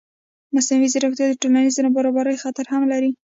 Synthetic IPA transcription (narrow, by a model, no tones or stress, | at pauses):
masnawiziɾoxt̪jɑd̪əʈolanizanabaɾɑbaɾəjxat̪aɾhamlaɾi